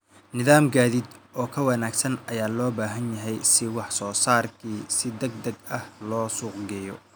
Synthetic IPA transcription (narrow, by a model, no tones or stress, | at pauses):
nɪðaːmɡaːðid̪ʔɔːkʰɐwɑnaːɡsɐnɐjaːlɔːbaːɦɐnjɐɦɛjsɪwɑħsɔːsaːrkʰiːsɪd̪ɐɡ̚d̪ɐɡɐhlɔːsuːqɡɛːjɔ